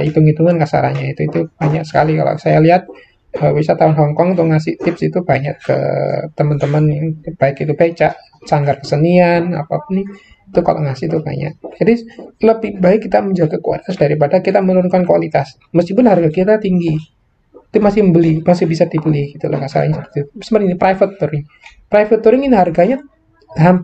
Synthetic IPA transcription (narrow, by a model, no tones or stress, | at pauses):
it̪uŋit̪uŋankasa̰ɾa̰ɲait̪uit̪ub̥aɲaʔsə̥kalika̰lo̰sajaliɦat̪̚ | əwisat̪aɔnɦɔŋkɔŋt̪uŋasɪht̪ɪpsit̪ubaɲaʔkə̰t̪əmənt̪əmənb̥aɪkit̪ubat͡ʃaʔ | saŋɡarkəsəniana̰papʊnːɪ | it̪uka̰lo̰ŋasɪht̪uba̰ɲa̰ʔd͡ʒadiləbihbaɪkːit̪aməɲd͡ʒaɡakua̰lit̪asdaɾip̬adakit̪amənuʊŋkankuwalit̪as | məskipʊnharɡakit̪at̪iŋɡi | t̪umasɪhbəlimasɪhbisadibəlihɡit̪ula̰kasa̰la̰ɲasəpt̪usəməɾinipɾaifət̪ːuɾɪŋ | pɾajfət̪ːuɾɪŋinɦarɡaɲa | ɦam